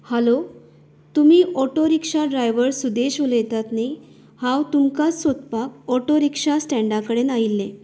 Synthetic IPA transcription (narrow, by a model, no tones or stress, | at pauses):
həlo | t̪umiːʔɔʈoɾikʂaɖɾajʋəɾsud̪eɕʋoljet̪at̪ne | hãwt̪umkat͡ssot̪̚pakɔʈoɾikʂasʈɛ̃ɳɖakəɽenailːe